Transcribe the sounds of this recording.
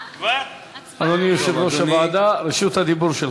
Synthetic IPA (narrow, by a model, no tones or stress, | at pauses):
anonijoʃevɾoʃavaːd̪aɾeʃut̪had̪ibuɾʃel